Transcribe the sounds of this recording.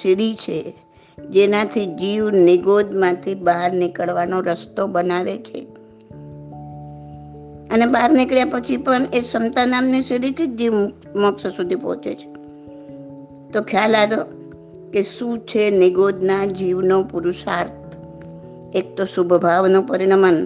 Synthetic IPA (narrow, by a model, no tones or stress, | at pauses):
sɪɽit͡ʃʰe | d͡ʒenãt̪ʰid͡ʒiʋnɪɡod̪mãt̪ʰibaɦɾnɪkəɭʋanoɾəst̪obənaʋet͡ʃʰḛ | ənebaɾnɪkɭjapət͡ʃʰipəɳesəmt̪anamnisiɽit̪ʰid͡ʒiʋ | məkssud̪ʱipɔ̰ɦt͡ʃḛt͡ʃʰe̥ | t̪okʰjalad̪o | keʃũt͡ʃʰenɪɡod̪nad͡ʒiʋnopuɾuʃaɾt̪̚ʰ | ek̚t̪osubʱbʱaʋnopəɾiɽəmən